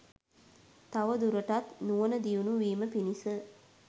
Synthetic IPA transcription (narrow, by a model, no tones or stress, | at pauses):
t̪aʋəd̪uɾəʈat̪nuʋənəd̪ijunuʋiːməpinisə